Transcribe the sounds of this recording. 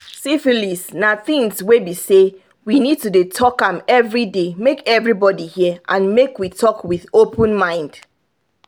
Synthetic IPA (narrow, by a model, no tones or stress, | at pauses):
sifilisnaθĩŋswebise | winid̚tudetʰɔkãmɛvɹidemekɛvɹibɔdihiəʔãnmekwitʰɔkwiðopʰə̃nmãɪ̃nd̥